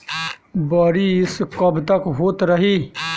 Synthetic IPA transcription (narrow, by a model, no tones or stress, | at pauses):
baːɾiːɪskɐbt̪ɐkɦoːt̪ɾɐɦiː